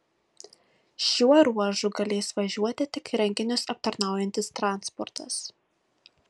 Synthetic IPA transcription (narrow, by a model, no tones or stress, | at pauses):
ʃʲuɔɾuɔʒʊɡɐlʲeːsʋɐʒʲuɔt̪ʲɪt̪ʲɪkɾʲɛŋʲɡʲɪnʲʊsɐp̚t̪ɐɾnɑˑʊjɛnʲt̪ʲɪst̪ɾɑˑnspɔɾt̪ɐs